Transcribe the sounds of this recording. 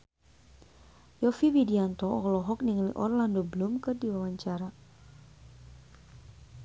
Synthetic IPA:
jɔfiwidiant̪ɔɔlɔɦɔk̚niŋlḭʔɔ̰rlandobəlumkɨrdiwawaɲt͡ʃaɾa

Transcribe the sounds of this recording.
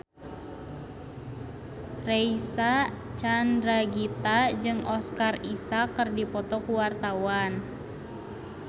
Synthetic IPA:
reisat͡ʃandɾaɡit̪ad͡ʒɨŋɔskarisakərdipɔt̪ɔkuwart̪awan

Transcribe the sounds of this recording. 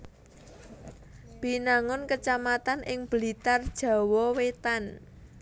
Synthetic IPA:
b̥i̤naŋʊnkət͡ʃamat̪anʔɪŋb̥əlit̪ard̥ʒ̥ä̤wɔwet̪an

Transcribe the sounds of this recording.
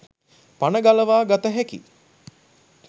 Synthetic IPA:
panəɡaləʋaːɡat̪əɦɛkḭ

